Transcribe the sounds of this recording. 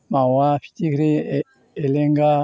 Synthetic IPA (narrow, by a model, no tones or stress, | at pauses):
mawafi̥tikɾeː | leŋɡa